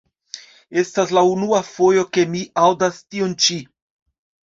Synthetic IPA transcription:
e̞staslaunuafo̞jo̞ke̞miʔawdastiont͡ʃi

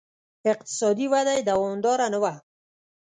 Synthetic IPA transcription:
ɪq̚t̪ɪ̥sɑd̪iwad̪ajd̪awɔmd̪ɑɾanəwa

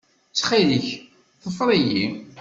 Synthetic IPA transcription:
t͡sːχiliç | θəfɾˤiji

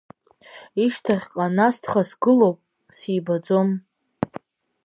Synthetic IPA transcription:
iʃtʰaχʲqʼanastʰχasɡɨlo̞wpʼ | siːbad͡zo̞m

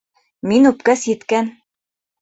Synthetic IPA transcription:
minʉpkæsjɘ̆t̪kæn

